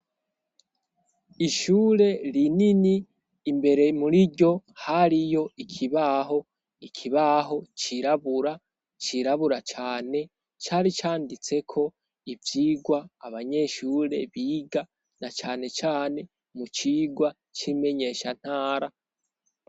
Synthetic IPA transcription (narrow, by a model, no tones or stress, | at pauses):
iʃuːɾe̞ɾininiː | mbe̞ɾe̞muɾiɟo̞haɾijo̞ikʰiβaɦo̞ | ikʰiβaɦo̞t͡ʃiɾaβuɾa | t͡ʃiɾaβuɾat͡ʃaːne̞ | t͡ʃaːɾit͡ʃaːndit͡se̞kʰo̞ | ivjiːɡwaːβaɲe̞ʃuːɾe̞̰βiːɡa | nat͡ʃaːne̞t͡ʃaːne̞ | mut͡ʃiːɡwa | t͡ʃime̞ɲe̞ʃan̥haːɾa